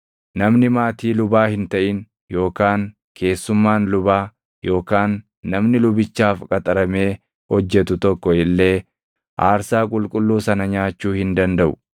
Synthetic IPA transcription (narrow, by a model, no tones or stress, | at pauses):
nɐmnɪmaːt̪iːlʊbaːhɪnt̪ɐʔɪn | jo̞ːkaːŋ | kʰe̞ːsːʊmːaːnlʊbaː | jo̞ːkaːnː | ɐmnɪlʊbɪt͡ʃːaːfkʼɐt̪ʼɐɾɐme̞ː | hɔd͡ʒːɛt̪ʊt̪ɔkːɔɪlːe̞ː | ʔaːɾsaːkʼʊlkʼʊlːuːsɐnɐɲaːt͡ʃːuːhɪnd̪ɐnd̪ɐʔʊ̥